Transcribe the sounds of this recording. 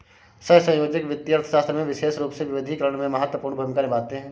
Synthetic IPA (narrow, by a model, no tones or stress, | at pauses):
səɦsə̃joːd͡ʒɪkʋɪt̪jəɾt̪ʰəʃaːst̪ɾəmẽʋɪʃeːsɾuːpseʋɪʋɪd̪ʱikəɾəɽ̃mẽmɐɦət̪wəpuːɾɳəbʱɐmɪkanɪbaːt̪eɦɛ̃ː